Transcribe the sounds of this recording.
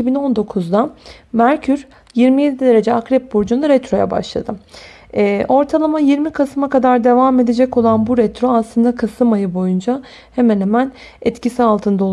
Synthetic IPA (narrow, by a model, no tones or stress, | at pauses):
ibino̞nd̪o̞kʰuzd̪amæɾcʰyɾ | jiɾmijed̪ʲiid̪e̞ɾe̞d͡ʒɛakɾɛp̚buɾd͡ʒunaɾɛt̪ɾo̞ja̰ba̰ʃlˠa̰d̪ɯ | ʔo̞ɾt̪ʰalˠamajiɾmikʰasɯmakad̪aɾd̪e̞vame̞d̪e̞d͡ʒɛco̞lˠanbuɾɛt̪ɾo̞aslˠɯnd̪akʰasɯmajɯbo̞jund͡ʒa | hemænhemæn | ɛt̪cisialˠt̪ʰɯnd̪ao